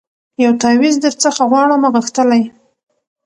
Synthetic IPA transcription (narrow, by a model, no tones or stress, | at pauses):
jawt̪ɑwizd̪əɾt͡səxaɣwɑɽəmaɣəxt̪əlaj